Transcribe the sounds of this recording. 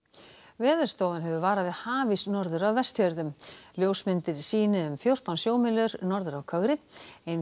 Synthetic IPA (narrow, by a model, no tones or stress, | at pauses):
vɛːðʏɾ̥st̪owðanɦɛvʏvaːɾaðɪhaːvisnɔɾðʏɾawvɛst̪jœɾðʏmljoːwsmɪnt̪ɪɾsiːnɪʏmfjowr̥t̪ansjoːwmɪlʏɾnɔɾðʏɾawkʰœɣɾɪejn